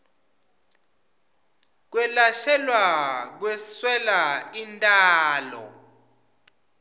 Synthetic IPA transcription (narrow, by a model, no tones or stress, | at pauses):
k̬wɛlaʃɛlwak̬wɛswɛlaintʼaːlɔ̰